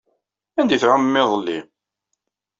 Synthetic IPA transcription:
ænd̪iθʕaməmːɪðˤəlːi

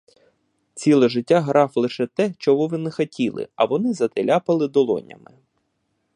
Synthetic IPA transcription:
t͡sʲilˠɛʒɪtʲːaɦɾɑflˠɪʃɛt̪ɛt͡ʃɔɦɔʋɪnɛxɐtʲilˠɪ̰ɐʋɔnɪzɐt̪ɪlʲapɐlˠɪd̪ɔlˠɔ̰nʲɐ̰mɪ

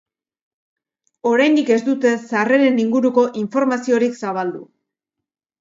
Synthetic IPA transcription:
o̞ɾajnd̪ike̞sd̪ut̪e̞sare̞ɾe̞niŋɡuɾuko̞ʔiɱfo̞ɾmasio̞ɾiksaβ̞ald̪ṵ

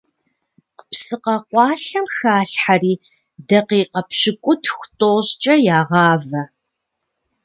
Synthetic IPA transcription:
qəpsɨqɐqʷɑːɬɐmxaːɬħariː | dɐqiːqɐpɕɪkʷʼʊtʰxʷtʼoːɕt͡ʃʼɐjaːʁɑːvɐ

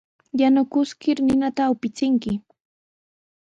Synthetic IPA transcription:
janʊkʊskɪɾnɪnat̪aʊpɪt͡sɪŋkɪ

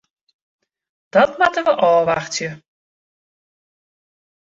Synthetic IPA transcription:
d̥ɔtmatəʋəʔɔːʋaxtjə

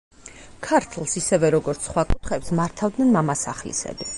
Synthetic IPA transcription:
kʰaɾt̪ʰlˠsisɛvɛɾɔɡɔɾt̪sʰχwakʼut̪ʰχɛpsmaɾt̪ʰavd̪nɛnmamasaχlḭsɛ̰bi

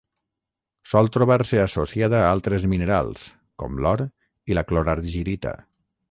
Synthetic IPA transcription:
sɔlˠt̪ɾuβaɾsəasosiaðəːalˠt̪ɾezminəɾa̰lˠs | kɔ̰mlɔɾ | iləkloɾaɾʒiɾit̪ə̰

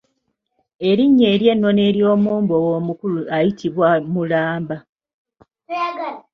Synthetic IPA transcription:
e̞ɾiɲːe̞ːɾje̞nːo̞ne̞ɾjo̞ːmuːmbowo̞ːmukuluajitʰiβwamulaːmba | ɡ

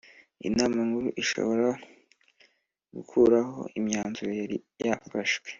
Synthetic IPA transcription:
ḭnaːmaŋɡuɾuʔiʃo̞̰βo̞ɾa | ɡukʰuɾaho̞̰imɲaːnzuɾojaɾijafaʃɡwe̥

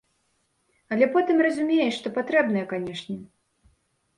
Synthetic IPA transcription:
ɐlʲɛpɔt̪ɨmrɐzʲumʲejɛʂt̪ɔpat̪ɾɛbnɐjɐkanʲɛʂnʲɛ

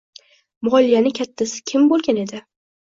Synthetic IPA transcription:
mʊɑlijanɪkʲʰat̪ʰːasɪ̥kʲʰɪmbolˠɡʲane̞d̪ɪ

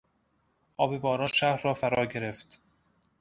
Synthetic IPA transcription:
ʔɒːbe̞bɒːɾɒːnʃæɾːɒːfæɾɒːɟe̞ɾe̞ft̪

